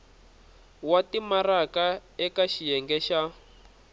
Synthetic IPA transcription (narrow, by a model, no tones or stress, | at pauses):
watimarakaɛkaʃijɛŋɡɛʃa